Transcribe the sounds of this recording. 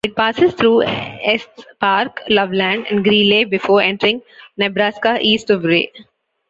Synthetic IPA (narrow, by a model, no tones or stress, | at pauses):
ɪʈ̚paːsɪzt̪ʰɾuːɛsʈpaːɾklʌʋlæ̃ːɳɖɛ̰̃ɳɖɡɾĩːnleːbɪfoːɾɛ̃ɳʈəɾɪ̃ŋɡnebɾaːskaʔiːsʈubɾḛː